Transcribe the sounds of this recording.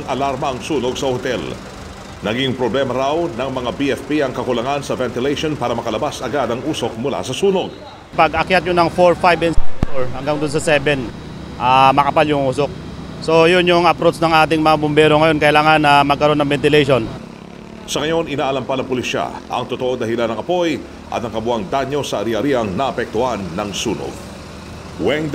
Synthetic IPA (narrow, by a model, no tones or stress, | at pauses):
ŋʔɐlaɾmɐɐŋsuːnoɡsɐhot̪ɛl | nɐɡiŋpɾoblɛmɐɾawnɐŋmɐŋabiʔɛfpiɐŋkɐkʊlɐŋansɐvɛnt̪ɪlejʃonpaːɾɐmɐkɐlɐbasɐɡad̪ɐŋʔuːsok̚mʊla̰sɐsuːnoɡ̚ | pɐɡʔɐkjat̪̚ɲonɐŋfoɹfajbɛnsfoɹhɐŋɡaŋd̪ʊns̬ɐsɛːbɛn | ʔamɐkɐpaljʊŋʔuːsok̚ | so̞jʊnjʊŋʔɐpɾot̪snɐŋʔaːt̪ɪŋmɐŋabʊmbɛːɾoŋɐjo̞nkɐʔɪlaːŋɐnːɐmɐɡ̚kɐɾo̞nːɐŋbɛnt̪ɪlejʃon | sɐŋɐjo̞nɪnaːʔɐlɐmpanɐŋpʊliʃa̰ʔɐ̰ŋt̪ot̪oʔod̪ɐɦɪlanɐŋʔɐpo̞j | ʔɐ̰t̪nɐŋkɐbʊaŋd̪aɲːo̞sɐɾihɐɾiʔɐŋnɐʔɐpɛk̚t̪ʊhanːɐŋsuːno̰ɡ̚ | wɛŋ